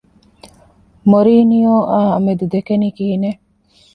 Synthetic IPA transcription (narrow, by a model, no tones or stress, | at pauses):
moɾiːnijoːʔaːɐmed̪ud̪ekenikiːine